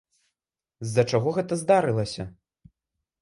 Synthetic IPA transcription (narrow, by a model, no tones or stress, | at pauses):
zːɐt͡ʂaɣɔɣɛt̪ɐzd̪aɾɨlˠɐsʲɐ